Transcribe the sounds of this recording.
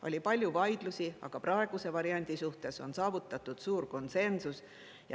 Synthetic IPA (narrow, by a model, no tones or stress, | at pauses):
ʔo̞̰lʲipɑlʲjuvɑjd̪̥lusiɑ̰ɡ̥ɑprɑe̞ɡ̥use̞vɑɾiɑnʲd̪̥isuht̪e̞so̞nsɑːvut̪ːˑɑt̪ːˑud̪̥suːrko̞nse̞nsus | jɑ